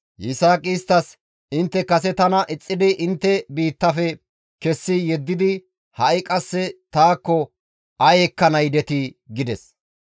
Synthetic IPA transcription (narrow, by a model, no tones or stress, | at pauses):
jɪsaːkʼiːst̪ːɐs | ɪnt̪ːɛkɐsɛt̪ɐnɐʔɪt͡sʼːɪd̪ɪʔɪnt̪ːɛbiːt̪ːɐfɛ | kɛsːɪjɛd̪ːɪd̪ɪ | hɐʔɪkʼɐsːɛt̪aːkːɔ | ɐjɛkːɐnɐjd̪ɛt̪ɪɡɪd̪ɛs